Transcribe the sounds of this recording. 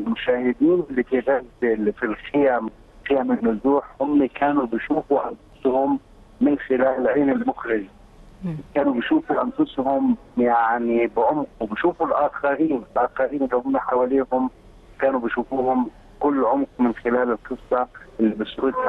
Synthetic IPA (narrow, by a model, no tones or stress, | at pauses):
ɪlmʊʃaːhɪd̪iːnɪlːit̪iːdalffilxɪjam | xɪjamɪnːʊzuːħhʊmːikaːnubiʃuːfuʔanfʊ̥shʊmː | ɪnxɪlaːlɪlʕiːnɪlmʊxɾɪʒ | kaːnubiʃuːfuʔanfʊshʊm | jaʕnibɪʕʊmqubɪʃuːfulʔaːxaɾiːnɪlʔaːxaɾiːnɪlːihʊmːaħawaːliːhʊm | kaːnubiʃuːfuːhʊm | kʊlːʕʊmqmɪnxɪlaːlɪlqɨsˤːɑʔɪlːibɪsɾʊd̪a